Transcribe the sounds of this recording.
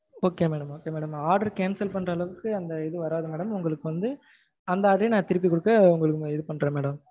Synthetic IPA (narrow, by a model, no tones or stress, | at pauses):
oːkːeːmeːɽɐmoːkeːmeːɽɐmaːɾɖɐɾkeːnsɐlpɐɳrɐːlɐʋɯkːɯɐnd̪ɐɪðɯʋɐɾaːðɐmeːɽɐmʊŋɡɐɭɯkːɯʋɐnd̪ɯ | ɐnd̪ɐaːɽɪjnãːt̪ɪɾɯp̬ːikɔɽɯkːɐʊŋɡɐɭɯkːɯɪðɯpɐɳɾɐmeːɽɐm